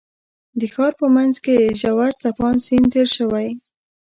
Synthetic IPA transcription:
d̪əxɑɾpəmanzkeʒawaɾt͡sapɑnsint̪eɾʃəwaj

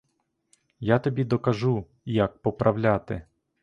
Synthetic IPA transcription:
jat̪ɔbʲid̪ɔkɐʒu | jɐk̚pɔpɾʔɐwlʲat̪ɪ

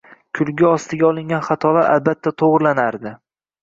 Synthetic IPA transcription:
kʲʰʊlˠɡʲɪɒst̪ɪɡʲaɒlˠɪŋɡʲanχat̪ʰɒlaɾʔa̰lbat̪ʰːat̪ʰoʁɾlanaɾd̪ɪ

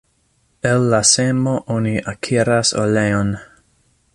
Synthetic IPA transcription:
ɛlːasemoʔoniʔakʰiɾaso̰leon

